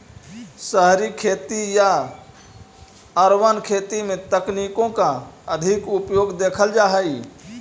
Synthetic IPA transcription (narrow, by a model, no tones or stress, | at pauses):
səɦɾikʰeːt̪ija | əɾwənkʰeːt̪imẽt̪əkniːkõkaəd̪ʱɪkʊpjoːɡd̪eːkʰəld͡ʒaːɦəi